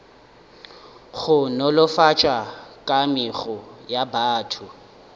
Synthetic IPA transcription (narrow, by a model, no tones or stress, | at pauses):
ɣʊnɔlɔfat͡ʃʼakʼamɪɣɔjabaːtʰʊ